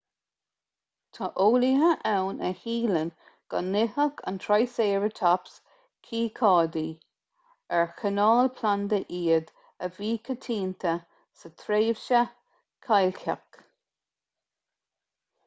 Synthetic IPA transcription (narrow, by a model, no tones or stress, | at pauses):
t̪ʰɑʔoːliɦəʔɛwnʔəhiːlən | ɡ̥ɑ̰nːɪhəkʰa̰nt̪ʰɹajseːɹət̪ʰaps | kʰiːkʰɑːd̪iː | ɛɹxənɑːlpʰland̪əʔiːəd̪ | əviːkʰət̪ʰiːnt̪ʰə | sət̪ʰɾeːvʃə | kʰajlka̰k